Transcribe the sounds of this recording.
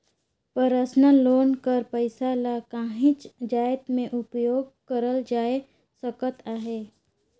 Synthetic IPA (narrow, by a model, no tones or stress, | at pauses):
pəɾəsnaloːnkəɾpəɪsalakãːɦɪ̃t͡ʃd͡ʒaːjt̪mẽʔʊpjoːɡ̚kəɾəld͡ʒaːe | səkət̪aːɦeː